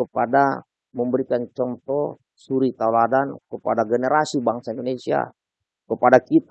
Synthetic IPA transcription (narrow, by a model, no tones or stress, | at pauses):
kəpada | məmbəɾikant͡ʃɔnt̪ɔ | suɾit̪auladankəpa̰daɡɛnɛɾasibaŋsaindonesia̰ | kəpadakit̪